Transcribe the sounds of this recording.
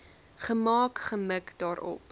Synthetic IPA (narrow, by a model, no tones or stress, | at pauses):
χəmɑːkχəməkdɑːɾɔ̰p